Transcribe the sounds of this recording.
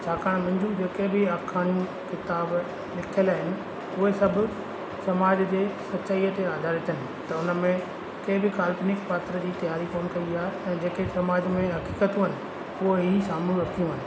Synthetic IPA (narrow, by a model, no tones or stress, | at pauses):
t͡ɕʰaːkaːɽ̃mɐ̃ɲd͡ʑũd͡ʑeːkebɪaːkʰaːɽ̃ijũ | kɪt̪aːb | lɪkʰəlaːɦɪnɪ̆ | ʊɦesɐbʱʊ | sɐmaːd͡ʑd͡ʑeːsɐtːt͡ɕaːijət̪eaːd̪ʱaːɾɪt̪ɦɪnɪ̆ | t̪ɐʊnəmẽ | keːbɪkaːlpɪnɪkpaːt̪ɾəd͡ʑiːt̪ɐjaːɾikoːnkɐiiaːɦeɛ̃ːd͡ʑeːkesɐmaːd͡ʑmẽɦɐkiːkət̪ũɦɪnɪ̆ | ʊɦoɦisaːmlũɾɐkʰijũɦənɪ̆